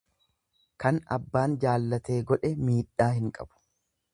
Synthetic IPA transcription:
kɐnɐ̰bːaːnd͡ʒaːlːɐt̪e̞ːɡɔᶑɛmiːᶑːaːhɪŋkʼɐ̰b̥ʊ̥

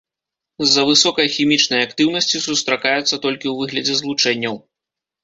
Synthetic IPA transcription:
zːɐvɨsɔkɐjɐxʲimʲit͡ʂnɐjɐakt̪ɨwnɐsʲt͡sʲisust̪ɾakajɛt̪sːɐt̪ɔlʲkʲiwvɨɣlʲɐd͡zʲɛzlˠut͡ʂɛnʲːɐw

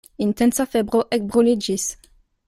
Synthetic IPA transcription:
int̪ɛ̃nsafɛbʁoʔɛk̚bʁoled͡ʒis

